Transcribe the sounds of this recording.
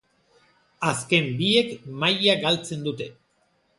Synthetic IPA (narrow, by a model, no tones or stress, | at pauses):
aske̞mbie̞kmajaɡalt͡se̞nd̪ut̪e̞